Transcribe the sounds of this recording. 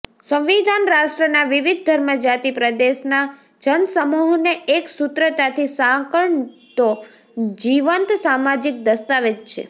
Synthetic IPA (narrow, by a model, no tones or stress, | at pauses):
sə̃mʋid̪ʱanɾaʃʈɾənaʋiʋid̪̚ʱd̪ʱəɾməd͡ʒat̪ipɾəd̪eʃna | d͡ʒənsəmuɦneeksut̪ɾət̪at̪ʰisãkəɳt̪o | d͡ʒiʋənt̪samad͡ʒik̚d̪əst̪aʋet̪t͡ʃʰḛ